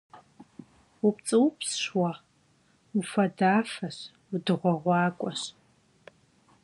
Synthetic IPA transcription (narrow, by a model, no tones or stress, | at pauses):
up̚t͡sʼɨwpʰsʃwɐʁ | ufɐdaːfɐɕ | wudɨʁʷɔʁʷɑːkʷʼɔɕ